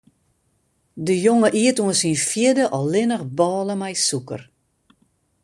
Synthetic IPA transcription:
dəjoŋəʔiətuənsinfjɪdəʔɔlɪnəxbɔːləmɛjsukə̰r

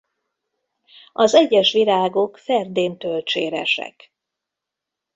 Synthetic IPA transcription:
ɒzɛɟːɛʃʋilaːɡo̞kfɛrd̪eːnt̪ølt͡ʃeːɾɛ̰ʃɛ̰k

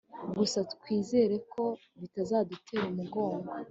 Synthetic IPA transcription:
ɡusatkwiːze̞ːɾe̞kʰo̞ | βitazaːdutʰe̞ɾumuɡo̞ːŋɡo

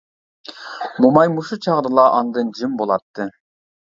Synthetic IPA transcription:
mumɑjmuʃut͡ʃʰɑʁɾɯlˠɑʔɑnd̪ɯnd͡ʒɯmbolˠɑt̪ːɯ

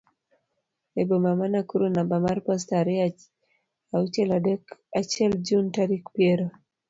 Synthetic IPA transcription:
ɛbɔmamanakuɾunabamaɾpastaɾia | aut͡ʃɛladɛkat͡ʃɛld͡ʒuntaɾikpiɛɾo

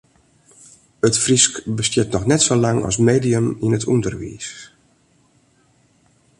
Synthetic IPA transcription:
ətfriskbəstjɪtnɔxnɛtsolaŋɑ̰smeːdiəminətʰundərʋḭːs

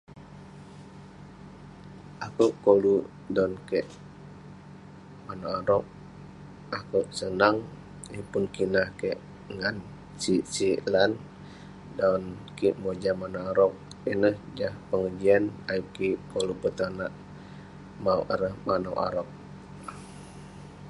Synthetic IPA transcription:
ʔakuʔkolu | daunkɛʔ | manaaɾɔk̚ | akəwʔsənaŋ | ipunkinahkeʔ | ŋan | t͡ʃit͡ʃilan | daunkiʔmod͡ʒamanaaɾɔk̚ | inəhd͡ʒahpəŋəd͡ʒianajukikolupət̪anaʔ | mawʔaɾəhmana̰wʔa̰ɾɔk̚

